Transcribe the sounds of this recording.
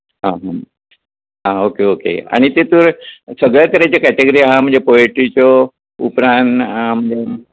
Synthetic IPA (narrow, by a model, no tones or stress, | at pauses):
ɦãɦa | aokeokḛa̰ɽ̃it̪et̪uɾsəɡɭat̪əɾat͡ɕakɛʈeɡəɾiɦam̤ə̃ɳd͡zepoeʈit͡ɕɔ | ṵpɾãnm̤əɳd͡ze